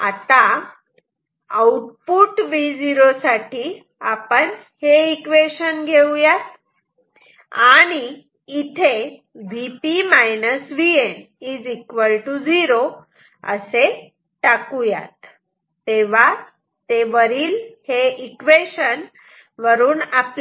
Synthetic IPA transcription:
a̰t̪a | əuʈpuʈʋid͡ziɾosaʈi | apəɳ | heikʋeɕənɡʱewjat̪ | aɽ̃iː | t̪ʰe | ʋipimajnəsʋien | iːd͡zikʋəlʈud͡ziɾo | ə̰se | ʈakuja̰t̪ː | eʋ̤a | t̪eʋəɾiːlheikʋeɕən | ʋəɾuːnap

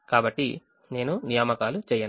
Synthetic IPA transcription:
kaːbɐʈːi | ne̞ːnunijaːmɐkaːlut͡ʃɛːjɐn

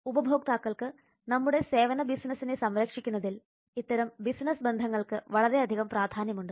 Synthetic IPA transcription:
ubɐbʱo̞ːk̚t̪aːkːɐɭkɨ | nɐmːuɽe̞se̞ːʋɐnɐbisnɐsːinesɐmɾɐkʂikʲːunːɐðil | it̪ːɐɾɐmbisnɐsbe̞nd̪ʱɐŋːɐɭkɨʋɐɭɐɾe̞ɐd̪ʱiɣɐmpraːd̪ʱaːnjɐmuɳɖɨ

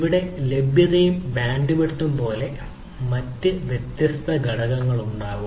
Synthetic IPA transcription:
ʋiɽe̞le̞bʱjɐðɐjumbaːɳɖiʋiʈːumpo̞ːle̞ | mɐtːɨʋjet̪jɐst̪ʰɐɡʱɐɽɐɣɐŋːɐɭuɳɖaːʋum

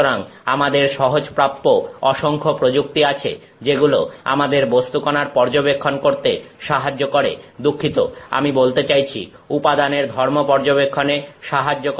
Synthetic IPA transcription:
oɾaŋamad̪eɾʃɔɦod͡ʑpɾap̪̚ːoɔʃoŋkʰopɾod͡ʑuk̚t̪iat͡ɕʰḛ | d͡ʑeɡuloa̰mad̪eɾbost̪ukonaɾpɔɾd͡ʑobekʰːonkoɾt̪eʃaɦad͡ʑːokoɾḛd̪ukʰːit̪oa̰mibolt̪et͡ɕajt͡ɕʰḭupad̪aneɾd̪ʱɔɾmopɔɾd͡ʑobekʰːoneʃaɦad͡ʑːok

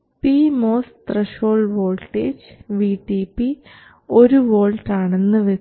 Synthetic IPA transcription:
piːmoːst̪reʃoːɭʋoːɭʈeːd͡ʑʋiːʈːipi | o̞ɾuʋoːɭʈaːɳenːɨʋe

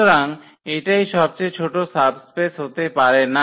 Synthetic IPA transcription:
oɾaŋ | eʈajʃɔb̚t͡ɕejt͡ɕʰoʈosabspesɦot̪epaɾena

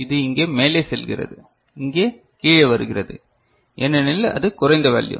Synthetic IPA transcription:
ɪðɯɪŋɡeːmeːleːsɛlɣɪ̰rɐ̰ðɯ | ɪŋɡeː | kiːɻɐʋɐɾɯɣɪrɐðɯ̰ | ʔɛnːɛnɪlːɐʔɐ̰ðɯkʊɾɐɪnd̪ɐʋɐ̰ːɭjɯ̰

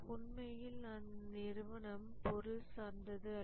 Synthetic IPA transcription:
ʊɳmɐjɪlnɐnnɪɾʋɐɳɐmpɔɾʊlsaːɾnd̪ɐðɯɐ

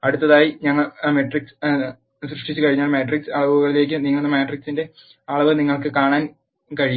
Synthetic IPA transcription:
ɐɽut̪ːɐðaːjiɲɐŋːɐɭmeʈriks | srɨʂʈit͡ɕːɨkɐɻiɲːaːlmeːʈriksɨɐɭɐʋuɣɐɭile̞ːk̬ːɨniŋːɐɭunːɨmeːʈriksinde̞ | ɐɭɐʋɨniŋːɐɭkɨkaːɳaːn | kɐɻij

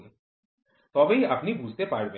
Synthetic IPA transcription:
n | t̪ɔbeiɐpnibud͡ʒʱt̪epaɾbe

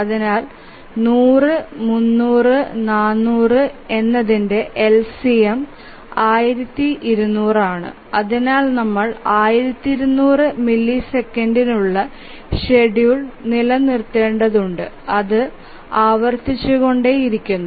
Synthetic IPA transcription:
ɐðinaːl | nuːrɨmunːuːrɨnaːnːuːrɨe̞nːɐðinde̞ʔelsijem | aːjiɾɐt̪ːiʔiɾunːuːraːɳɨ̰ | ɐðinaːlnɐmːɐɭaːjiɾɐt̪ːiɾunːuːrɨmilːisekːɐndinuɭːɐ | ʂeɖjuɭnilɐnirt̪ːe̞ːɳɖɐðuɳɖɨ̰ | ɐðɨ | aːʋɐrt̪it͡ɕːuɣo̞ɳɖe̞iɾikʲːunːu

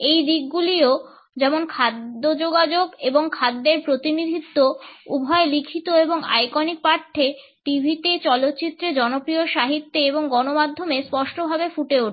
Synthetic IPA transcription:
ejd̪iɡɡulio | d͡ʑɛmonkʰad̪ːod͡ʑoɡad͡ʑoɡeboŋkʰad̪ːeɾpɾot̪inid̪ʱit̪ːoubʱɔelikʰit̪oeboŋa̰jkɔnik̚paɾʈʰːe | ʈibʱit̪et͡ɕɔlot̪ːɕit̪ːɾed͡ʑɔnopɾijoʃaɦit̪ːeeboŋɡɔnomad̪ʱːomespɔʃʈobʱabefuʈeuʈʰ

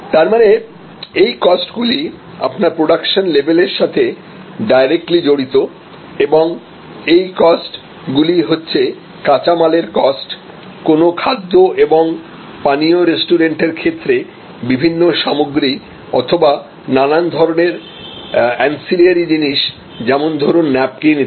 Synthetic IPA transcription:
t̪aɾmane | ejkɔsʈɡuli | a̰pnaɾpɾoɖakʃonlebʱeleɾʃat̪ʰe | ɖajɾek̚ʈlid͡ʑoɽit̪o | eboŋ | ejkɔsʈ | ɡuliɦotːɕʰe | kat͡ɕamaleɾkɔsʈ | konokʰad̪ːoʔeboŋ | panioɾesʈuɾeɳʈeɾkʰet̪ːɾe | bibʱinːoʃamoɡɾi | ɔ̰t̪ʰoba | nanand̪ʱɔɾoneɾ | ɛnsiliaɾid͡ʑiniʃ | d͡ʑɛmond̪ʱɔɾonːɛp̚kini

